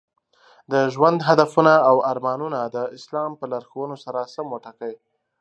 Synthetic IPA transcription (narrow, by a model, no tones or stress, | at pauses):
d̪əʒwand̪ɦad̪afunaawaɾmɑnunad̪əɪslɑmpəlaɾxowənosaɾasamoʈakəj